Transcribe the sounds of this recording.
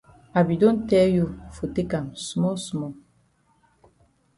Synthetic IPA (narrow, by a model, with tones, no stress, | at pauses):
a˨bi˨do˦ntɛ˦jo˦˨fo˨te˦ka˨msmɔ˦smɔ˨